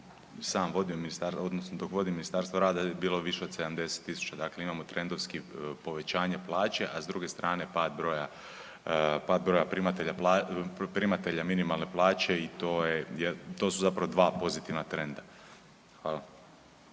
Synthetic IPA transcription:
saːmʋo̞d̪iominist̪aɾo̞d̪nosnod̪o̞kʋo̞d̪iminist̪aːɾst̪ʋoɾaːd̪ajebiːlˠo̞ʋiʃe̞o̞d̪se̞d̪amd̪e̞set̪ːisu̥t͡ɕad̪akleimamo̞t̪ɾe̞nd̪oʋskipo̞ʋe̞t͡ɕaːɲe̞plˠaːt͡ɕe̞ʔazd̪ɾuɡe̞st̪ɾʔaːne̞paːd̪̚bɾoja | paːd̪̚bɾo̞japɾimat̪eʎaplapɾimat̪eʎaminimalˠne̞plˠaːt͡ɕe̞it̪o̞ːjejet̪o̞ːsuzapɾaʋo̞d̪ʋaːpo̞zit̪iʋnat̪ɾe̞nd̪a | xʋaːla

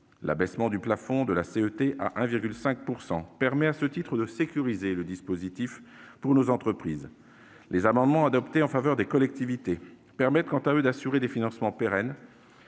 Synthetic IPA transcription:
la̰bɛsmɑ̃d̪yplafɔ̃d̪əlaseøt̪eʔa̰ʔɛ̃viʁɡʲylsɛ̃k̚puʁsɑ̃pɛʁmɛasət̪it̪χəd̪əsekʲyʁizeləd̪ispozit̪ifpuʁnozɑ̃t̪χəpχiːz | lezamɑ̃d̪mɑ̃ad̪ɔpt̪eɑ̃favœʁd̪ekɔlɛk̚t̪ivit̪e | pɛʁmɛt̪̚kɑ̃t̪aød̪asyʁed̪efinɑ̃smɑ̃peʁɛn

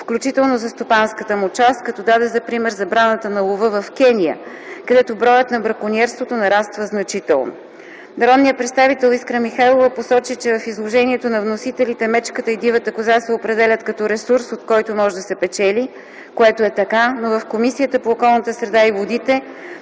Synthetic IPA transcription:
fklʲut͡ʃit̪ɛlˠnozɐst̪opanskət̪əmut͡ʃast̪̚kɐt̪ɔd̪ad̪ɛzɐpɾimɛɾzɐbɾanət̪ənɐlˠovɤvɐfk̟ɛnijə̰ | kɐd̪ɛt̪obɾɔjət̪nɐbɾɐkoniɛɾst̪vot̪onɐɾast̪vəznɐt͡ʃit̪ɛ̰lˠno̰ | nɐɾɔd̪nijət̪pɾɛt̪st̪avit̪ɛlˠiskɾəmixajlˠovəposɔt͡ʃit͡ʃɛvɐfizlˠoʒɛniɛt̪onɐvnosit̪ɛlit̪ɛmɛt͡ʃkət̪əid̪ivət̪əkʊzasɛopɾɛd̪ɛlʲət̪kɐt̪ɔɾɛsuɾsot̪kɔjt̪omɔʒɛd̪ɐsɛpɛt͡ʃɛli | koɛt̪oɛt̪ɐkanovɐfkomisijət̪əpoːkɔlˠnət̪əsɾɛd̪aivod̪it̪ɛ

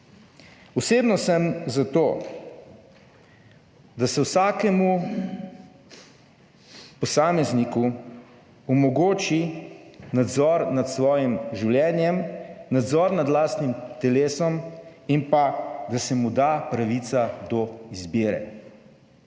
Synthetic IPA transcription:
ɔseːbnɔsɛmzat̪oː | d̪asɛwsaːkɛmu | pɔsaːmɛzniku | ɔmɔɡoːt͡ʃi | nad̪zɔːɾnat̪sʋɔːjimʒiwljɛːnjɛmnad̪zɔːɾnad̪laːst̪nimt̪ɛleːsɔm | inpad̪asɛmud̪aːpɾaʋit̪sad̪ɔizbiːɾɛ̰

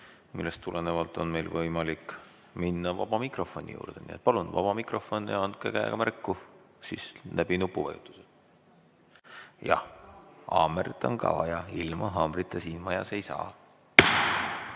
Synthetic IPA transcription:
milːest̪ːulenevɑlt̪ːˑo̞nme̞jlvɤjmɑlik | minːɑvɑb̥ɑmikro̞fˑo̞nʲḭjṵːrd̪̥enḭet̪̚pɑlunvɑ̰b̥ɑmikro̞fonːeɑnd̪̚kekæj̰ɡ̥ɑmærkːu | sislʔæb̥inupːˑuvɑ̰jṵt̪ːˑu̥se | jɑ̰hɑ̰ːmeɾt̪ːˑo̰nkɑ̰vɑjɑilmɑɦɑːmrit̪ːjɑsiːnmɑjɑse̞jsɑ̰ː

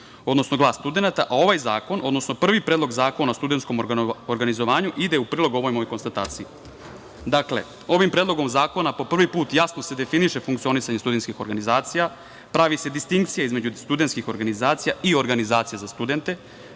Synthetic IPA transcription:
o̞d̪no̞sno̞ɡlˠaːst̪ud̪e̞nat̪aʔao̞ʋajzaːko̞nʔo̞d̪nosnopr̩ʋipɾeːd̪lo̞ɡzaːko̞nast̪ud̪ent̪sko̞moɾɡanizoʋaːɲuʔid̪eupɾiːlˠo̞ɡoʋo̞jmojko̞nst̪at̪a̰ːt̪sii | d̪akle̞̰ | o̞ʋimpɾeːd̪lˠo̞ɡo̞mzaːko̞napo̞pr̩ʋipuːt̪jasno̞se̞d̪e̞finiʃe̞fuŋkt̪sio̞nisaɲest̪ud̪enskixo̞ɾɡanizaːt̪sija | pɾaʋise̞d̪ist̪iŋk̚t̪sijaizme̞d͡ʑust̪ud̪e̞nt̪skixo̞ɾɡanizaːt̪sijaio̞ɾɡanizaːt̪sijazast̪ud̪e̞nt̪e̞

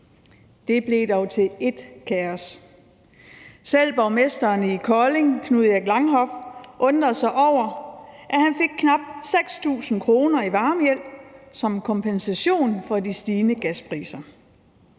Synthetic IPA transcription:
d̥e̝b̥le̝ːd̥ɒʊt͡sʰe̝le̝d̥kʰæɒs | sel̰b̥ɒʊmesd̥ɐːnəikʰɒle̝ŋkʰnuð̩ˠæɡ̥lɑ̈ŋɦɒ̽fʔɔ̽nd̥ʁɐsɑ̈ɪʔɒʊ̰ɐʔæhænfe̝ɡ̥̚kʰnɑ̈b̥̚seɡ̥st͡sʰṵːsn̩kʰʁo̝ːnɐiʋɑ̈ːməjel̰̥sɒ̽mkʰɒ̽mpʰensæɕo̝̰ːnfɒ̽disd̥iːnəɡ̥æspʰʁḭːsɐ

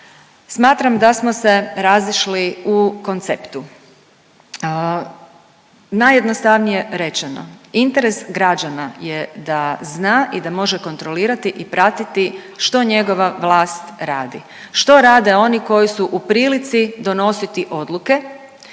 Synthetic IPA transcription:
smaːt̪ɾamd̪asmo̞se̞ɾaziʃliuko̞nt̪sept̪u | najːed̪nost̪aʋnije̞ɾe̞t͡ʃeno̞̰int̪eɾe̞sɡɾad͡ʒanajed̪aznaːʔid̪amo̞ʒeko̞nt̪ɾo̞liːɾat̪iʔipɾat̪it̪i | ʃt̪o̞ɲe̞ɡo̞ʋaʋlˠaːst̪ɾaːd̪i | ʃt̪o̞ɾaːd̪e̞o̞niko̞jisuʔupɾiːlit̪sid̪o̞no̞sit̪iʔo̞d̪lˠuke̞

